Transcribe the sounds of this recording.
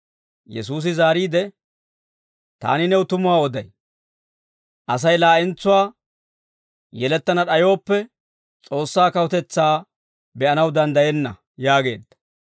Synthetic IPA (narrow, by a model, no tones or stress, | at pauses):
jɛ̰suːs̬ɪzaːɾiːd̪ɛ | t̪a̰ːnɪnɛwʊt̪ʊmʊwaːɔd̪ɐj | ʔɐs̬ɐjlaːʔɪnt͡sːʊwaː | jɛlɛt̪ːɐnɐɗɐjo̞ːpːɛ | t͡sʼo̞ːsːaːkɐwɔt̪ɛt͡sːaː | bɛʔɐnɐwd̪ɐnd̪ɐjɛnːɐ̰ | jaːɡe̞̰ːd̪ːɐ̥